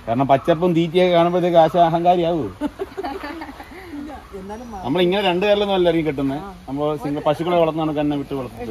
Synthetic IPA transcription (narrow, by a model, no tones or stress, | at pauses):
ka̰ːɾɐɳɐmpɐt͡ɕːɐp̬ːɐmd̪iːt̬ːijekːaːɳɐmboɐt̪ːekːɨaːɕɐːɦɐŋɡaːɾijaːʋɨ | nɐmːɐɭiŋːɐneɾe̞ɳɖɨkeɾɐlenːumɐlːɐriŋːikeʈ̬ːunːɨɐmːoːsiŋɡɐpɐɕikːɐɭokːʋɐɭɐt̪ːnðaːɳɨkɐnnːeʋiʈːɨʋɐɭɐt̪ːiʈːɨ